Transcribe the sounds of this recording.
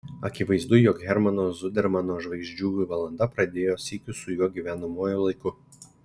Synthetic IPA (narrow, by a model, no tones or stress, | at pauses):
ɐkʲɪʋɐɪzd̪ʊjoːkɣʲɛɾmɐnoːzʊd̪ʲɛɾmɐnoːʒʋɐɪɡʒʲd͡ʒʲuːʊʋɐlˠɐnd̪ɐpɾɐd̪ʲeːjoːsʲiːkʲʊsʊjuɔɡʲiːʋʲæːnɐmuɔjʊlˠɐɪkʊ